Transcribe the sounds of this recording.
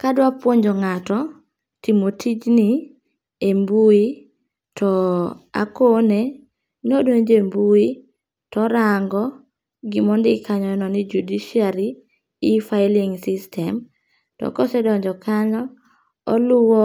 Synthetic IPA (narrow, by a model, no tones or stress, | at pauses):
kadwapwoɲd͡ʒɔŋatɔ | timotʰid͡ʒni | embui | tʰɔa̰kone | nodoɲd͡ʒembui | tɔɾaŋɡɔ | ɡɪmɔndɪkaɲɔɛnɔnɪd͡ʒudiʃiali | ɪfaɪliŋsɪstʰɛm | tɔ̰kɔsɛdɔɲd͡ʒɔkʰaɲɔ | ɔlʊwɔ